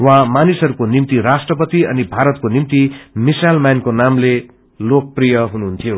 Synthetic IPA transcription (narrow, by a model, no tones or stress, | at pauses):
wãmanisɦʌɾukonimt̪irasʈrʌpʌt̪iʌ̰nibʱaɾʌt̪̚konimt̪imisalmankonamle | lok̚prijʌɦunuɦunt̪ʰijo